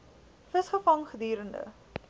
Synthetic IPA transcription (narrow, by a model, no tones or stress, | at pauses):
fəsχəfɐŋχədiːɾəndə̰